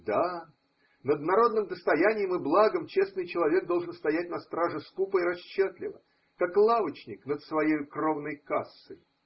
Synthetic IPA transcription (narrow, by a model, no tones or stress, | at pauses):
d̪a | nəd̪̚nɐɾo̞d̪nɨmd̪əst̪ɐjænʲɪjəmɨblˠaɡəmt͡ɕe̞snɨjt͡ɕɪlˠɐvʲe̞ɡ̚d̪o̞lˠʐɨnst̪ɐjæt̚ʲnɐst̪ɾaʐɨskupəɪɾɐɕːot̪lʲɪ̰və̰ | kaklˠavət͡ɕnʲɪknət̪svɐjejkro̞vnəjkasːɨj